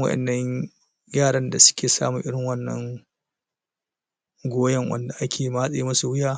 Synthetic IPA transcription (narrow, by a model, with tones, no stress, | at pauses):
wɐ̰˦ʔɛ̰˨nːɐ˦ɲ | jaː˦˨ɽɐ˦nda˨sʊ̥˦kʲeː˨sa̰ː˦mu˨ʔɪ˦ɽɪ˨ŋwɐ˦nːɐ̰˦ŋ | ɡʷoː˦jɐ˦ŋwɐ̰˦nda˨ʔa˦kʲʰeː˨ma˦sʼa˦˨i˦mɐ˦su˨wɪ˦jaː˦